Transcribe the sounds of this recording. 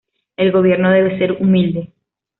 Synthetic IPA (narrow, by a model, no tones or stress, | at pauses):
e̞lɣo̞β̞je̞ɾnoðe̞βe̞se̞ɾumild̪e